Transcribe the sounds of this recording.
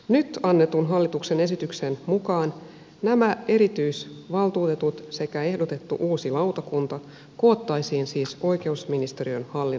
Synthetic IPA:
nyt̪ɑnːe̞t̪unɦɑlːit̪ukse̞ne̞sit̪yksenmukɑːn | næmæe̞ɾit̪yjsʋɑlt̪uːt̪e̞t̪ut̪se̞kæe̞hdot̪e̞t̪ːṵʔuːsilɑwt̪ɑkunt̪ɑ | ko̞ːt̪ːɑjsiːnsiːso̞jke̞usminist̪eɾiønhɑlːi

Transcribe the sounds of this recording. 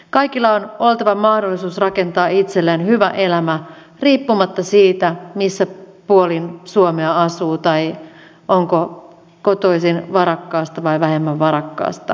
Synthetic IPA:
kɑjkilːɑono̞lt̪ɑʋɑmɑhdolːisuːsrɑke̞nt̪ɑːit̪selːenhyʋæʔe̞læmæ | riːpːumɑt̪ːɑsiːt̪æmisːæpuolinsuomeɑɑsuːt̪ɑj | ʔoŋko | kot̪o̞isinʋɑɾɑkːɑːst̪ɑʋɑjʋæhe̞mːæʋʋɑɾɑkːɑ̰ːst̪ɑ

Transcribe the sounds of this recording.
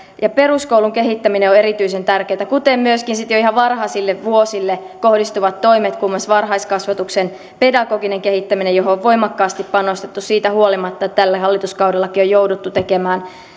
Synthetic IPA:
jɑpe̞ruskowluŋkeɦit̪ːæmineoeɾit̪yisent̪ærkeːt̪ækut̪emmyøskinsit̪joihɑʋʋɑrhɑsilːeʋʋuosilːe | ko̞hdist̪uʋɑt̪t̪o̞imet̪kumːɑsʋɑrɦɑiskɑsʋɑt̪uksen | pedɑɡoːɡineŋkehit̪ːæminejoɦooʋʋo̞imɑkːɑːst̪ippɑnost̪et̪ːussiːt̪æhuolimɑt̪ːɑet̪t̪ælːæhɑlːit̪uskɑwdelːɑkiojoudut̪ːut̪ekemæːn

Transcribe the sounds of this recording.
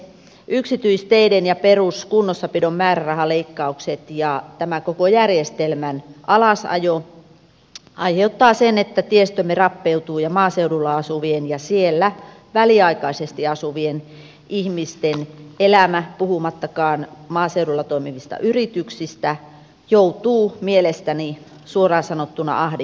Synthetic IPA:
ʔyksit̪yist̪eidenjɑperuskunːosːɑpidommæːrærɑhɑleikːɑukset̪jɑt̪æmækokojærjest̪elmænʔɑlɑsɑ̰jo | ɑiheut̪ːɑːsenet̪ːæt̪iest̪ømːerɑpːeut̪uːjɑmɑːseuɾulːɑɑsuʋienjɑsielːæ | ʋæliɑikɑisest̪iɑsuʋien | ʔihmist̪enelæmæpuhumɑt̪ːɑkɑːnmɑːseuɾulːɑt̪oimiʋist̪ɑ̰ʔyrit̪yksist̪æ | jout̪uːmielest̪æni | suorɑːsɑnot̪ːunɑ̰ɑhdi

